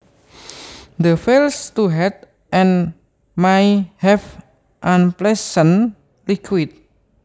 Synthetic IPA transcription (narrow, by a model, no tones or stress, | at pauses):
d̪əfelst̪uɦɛt̪̚ | ʔɛ̃n | majhɛf | ʔãnplɛsən | likʰwit̪̚